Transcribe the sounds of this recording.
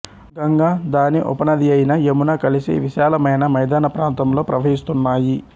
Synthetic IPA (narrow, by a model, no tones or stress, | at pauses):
ɡɐŋɡaːd̪aːniʔɔ̰pɐnɐd̪iɐjinɐjemunaːkɐlisḭʋiʃaːlɐmɐjnɐmɐjd̪aːnɐpɾaːnt̪ɐmlo̞ːpɾɐʋɐɦist̪unːaːji